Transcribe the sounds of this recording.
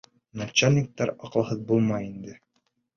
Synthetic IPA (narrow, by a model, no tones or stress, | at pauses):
nat͡ɕːalʲːik̚t̪ɑɾɑqlˠɑhɤðbulˠmɑjind̪ɘ